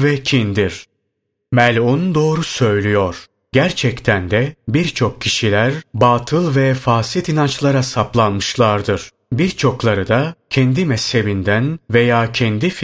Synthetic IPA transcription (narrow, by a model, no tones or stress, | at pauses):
vɛcʰind̪iɾ̥ | mælʲond̪o̞ːɾusø̞jlʲyjoɾ̥ | ɟæɾt͡ʃʰɛct̪ʰænd̪ɛbiɾt͡ʃʰo̞kcʰːiʃilʲæɾbaːt̪ʰɯlˠvɛfaːsit̪inant͡ʃlˠaɾasaplˠanmɯʃlˠaɾd̪ɯɾ̥ | biɾt͡ʃʰo̞klˠaɾɯd̪acʰɛnd̪imɛshe̞bind̪ænve̞jaːcʰɛnd̪if